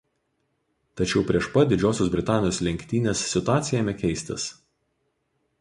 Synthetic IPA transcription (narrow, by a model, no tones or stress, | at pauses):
t̪ɐt͡ʃʲɛʊpʲɾʲiɛʃpɐd̪ʲɪd͡ʒʲoːsʲoːsbʲɾʲɪt̪ɑːnʲɪjoːslʲɛŋʲkʲt̪ʲiːnʲeːsːʲɪt̪ʊɑːt̪sʲɪjɛːmʲɛkʲɛɪsʲt̪ʲɪ̰s